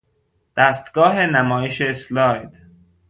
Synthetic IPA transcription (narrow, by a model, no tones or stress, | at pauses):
d̪̥æst̪ɡ̥ɒːɦenæmɒːjeʃeslɒːjd̪̥